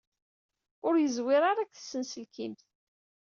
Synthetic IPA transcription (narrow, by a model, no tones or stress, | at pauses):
ʊɾjəzwɪɾˤɑɾˤækːθə̥sːənsəlkimt̪